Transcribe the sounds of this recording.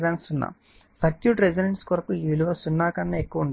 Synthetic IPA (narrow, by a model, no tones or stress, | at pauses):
d̪aːnsunːa̰ | sɐtjuʈɾed͡ʒineɳʈskoɾɐkuiːʋiluʋɐsunːaːkɐnːɐekːuʋɐuɳɖ